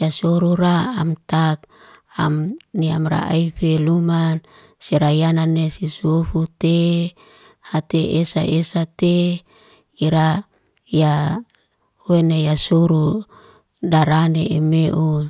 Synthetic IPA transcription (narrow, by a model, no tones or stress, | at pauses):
jasoɾuɾaamt̪ak̚ | a̰mnia̰mra̰ʔa̰ifeluman | siɾajananːesisufut̪e | hat̪eʔesaʔesat̪e | iɾa | ja | wenejasuɾu | daɾaneemeʔu